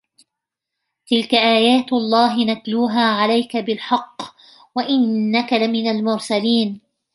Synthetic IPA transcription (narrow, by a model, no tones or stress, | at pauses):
t̪ɪlkaʔaːjaːt̪ʔɑlˤːɑːɦɪnak̪luːɦaːʕalajkabɪlħɑqː | waʔɪnːakalɪmɪnalmʊɾsaliːn